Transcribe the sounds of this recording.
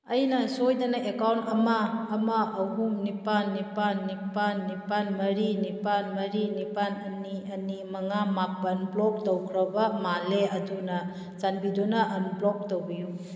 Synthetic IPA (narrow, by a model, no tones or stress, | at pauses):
ɐjnɐsojdɐnɐʔekawntɐmaːmɐːɦumnipanːipanːipanːipanmɐɾinipanmɐɾinipanɐniɐnimɐŋamapɐnblɔk̚towkʰɾɐbɐmaleɐdunɐ | t͡ʃanbidonɐʔɐnblɔk̚towbiju